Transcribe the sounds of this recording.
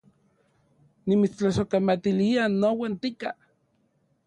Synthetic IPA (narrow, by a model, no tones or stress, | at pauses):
nimit͡st͡ɬasokamat̪ilianowant̪ika